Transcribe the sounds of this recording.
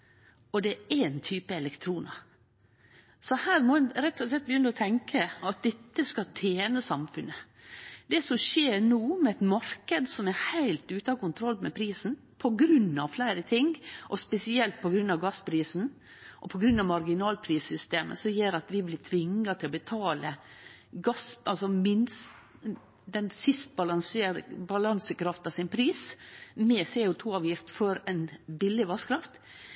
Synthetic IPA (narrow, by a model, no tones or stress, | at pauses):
ɔd̪ɛæɪnt̪ʰyːpəɛlɛkt̪ʰɾuːnɑɾ | sɔhæːɾmɔɛnɾɛt̪ʰːɔslɛt̪̚bəjʏnːəɔt̪ʰɛŋkʰəɑt̪̚d̪ɛt̪ːəskɑlt̪ʰeːnəsɑmfʉnə | d̪ɛsɔmʃeːɾɳoːmɛɛt̪mɑɾkəd̪sɔmæhæɪlt̪ʉːt̪əɑkʊnt̪ʰɾɔlːmɛpʰɾiːsn̩ | pʰɔɡɾʉnːɑʋflæɪɾət̪ʰɪŋʔɔspɛsɪɛlt̪̚pʰɔɡɾʉnːɑʋɡɑspʰɾiːsn̩ | ʔɔpʰɔɡɾʉnːɑʋmɑɾɡɪnɑːlpʰɾiːsʏst̪eːmə̰sɔjeːɾɑt̪ʋɪblɪt̪ʰʋɪŋːɑt̪ʰɪlɔbət̪ʰɑːlə | ɡɑsɑlsɔmɪns | d̪ɛnsɪst̪̚bɑlɑnsebɑlɑnsəkʰɾɑft̪ɑsɪnpʰɾiːsmɛseːʊt̪ʰuːɑːʋjɪft̪fɔɾæɪnbɪlːɪʋɑskʰɾɑft̪